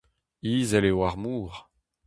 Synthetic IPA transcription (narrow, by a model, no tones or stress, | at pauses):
iːzɛlewaʁmuːʁ